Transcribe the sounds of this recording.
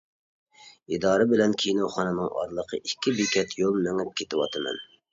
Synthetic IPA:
id̪ɑːɾɨbɪlɛnkʲʰinoχɑnɨnɨŋɑ̰ɾlˠəqʰə̰ʔikʲːibikʲʰɛt̪ʰjolˠmɛŋɪp̚kʲʰet̪ʰɪwɑ̰t̪ʰɨmɛ̰n

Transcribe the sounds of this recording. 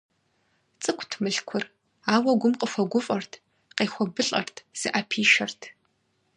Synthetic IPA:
t͡sʼɨkʷʰtʰmɨɬkʷʰʊr | aːwɐɡʷʊmqʼəfɐɡʷʊfʼɐrtʰ | qeːxʷɔbɨɬʼɐ̰rtʰz̥ɨʔapʰiːʃɐrtʰ

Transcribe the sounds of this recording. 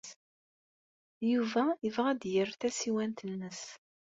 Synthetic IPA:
juvæəvʁæd̪jərθæsiwænt̪ənːəs

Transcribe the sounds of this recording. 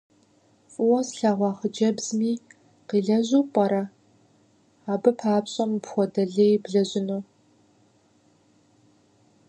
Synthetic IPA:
fʼʊwɔsɬaːʁʷɑːχəd͡ʒɐbz̥miː | qiːɮɐʑuːpʼɐɾɐ | aːbɐpʰaːpɕʼɐmpxʷɔdɐɮejbɮɐʑɪnuː

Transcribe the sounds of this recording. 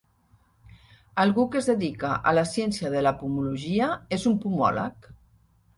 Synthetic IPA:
alˠɣukezðeðikaʔa̰lasjensjaðelapumuluʒiaezumpumɔ̰la̰k

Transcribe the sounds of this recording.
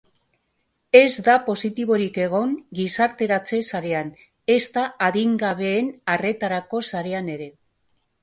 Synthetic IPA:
e̞zd̪apo̞sit̪iβo̞ɾike̞ɣ̞o̞ŋɡisaɾt̪e̞ɾat͡se̞saɾe̞an | e̞st̪aaðiŋɡaβ̞e̞ːnare̞t̪aɾako̞saɾe̞ane̞ɾe̞

